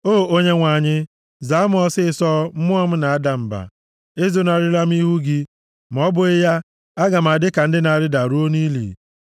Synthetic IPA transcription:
oː˦˨o˦ɲe˦ŋʷa˨ɲɪ˦ | za˨˦m˦ɔ˦sɪ˦˨sɔ˦m̩˦mʊ˦ɔ˦m̩˦na˨a˦da˨m̩˨ba̰˨ | e˦zo˦na˨ɾi˦la˦m̩˦i˦ɦu˦ɡi˦ | m̩˨ɔ˦bʊ˦ɪ˦ja˦ | a˦ɡa˨m̩˨a˨dɪ˦ka˨n̩˦dɪ˦na˨a˨ɾɪ˦da˨ɾu˦o˦ni˦lḭ˨

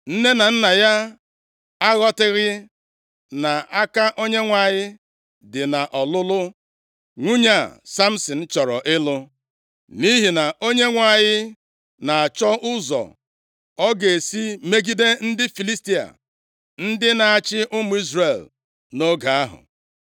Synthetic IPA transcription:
n̩˦ne˦na˨n̩˦na˨ja˦ | a˦ɣɔ˦tɪ˦ɣɪ˦ | na˨a˦ka˦ʔo˦ɲe˦ŋʷa˨ɲɪ˦ | dɪ˨na˨ʔɔ˨lʊ˦lʊ˦ | ŋʷu˦ɲa˦˨sa˦m̩˦si˨n̩˦t͡ʃɔ˨ɾɔ̰˨ʔɪ˦lʊ˦ | ni˦ɦi˨na˨ʔo˦ɲe˦ŋʷa˨ɲɪ˦ | na˨a˨t͡ʃɔ˦ʔʊ˦zɔ̰˨ | ɔ˦ɡe˨e˨si˦me˦ɡi˦de˦n̩˦dɪ˦fi˨li˦sti˦a̰˨ | n̩˦dɪ˦na˨a˨t͡ʃɪ˦ʔʊ˦mʊ˨˦i˦zre˨l | no˦ɡa˨a˦ɦʊ̰˨

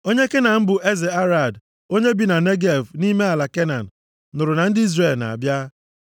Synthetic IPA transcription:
o˦ɲe˦ke˦na˨m̩˦bʊ˨ʔe˦ze˨a˦ɾa˨d | o˦ɲe˦bi˨na˨ne˦ɡe˦˨vni˦me˦a˨la˨ke˦na˨n̩˨ | nʊ˨ɾʊ˨na˨n̩˦dɪ˦i˦zre˨lna̰˨a˨bja˦

